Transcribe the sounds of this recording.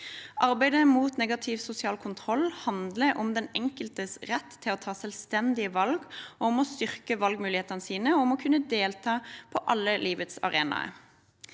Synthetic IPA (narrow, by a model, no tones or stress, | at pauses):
ʔɑʁbæɪd̪əmuːt̪nɛɡɑt̪ʰɪʋsʊsɪɑːlkʰʊnt̪ʰʁɔlhɑnd̪ləʔɔmd̪ɛnɛŋkəlt̪əsʁɛt̪ːtʰːɪlɔːt̪ʰɑːsɛlst̪ɛnd̪ɪəʋɑlɡɔɔmɔst̪ʏʁkəʋɑlɡmʉːlɪheːt̪ɑnəsiːnəɔɔmɔkʰʉnːəd̪eːlt̪ʰɑːpʰɔʔɑlːəlʔiːʋət̪sɑ̰ʁeːnɑ̰ə̰